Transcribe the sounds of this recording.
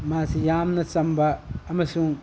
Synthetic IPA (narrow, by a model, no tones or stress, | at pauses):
masijaːmnasambaːmɐsũ